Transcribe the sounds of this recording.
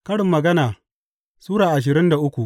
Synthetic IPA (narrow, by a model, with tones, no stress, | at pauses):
kɐ˦ɽɪ˨mːɐ˨ɡɐ˦naː˨ | suː˦ɽaː˨ʔa˨ʃ̬ɪ˨ɾɪ˦nda˨ʔʊ˦kʷu˨ʔ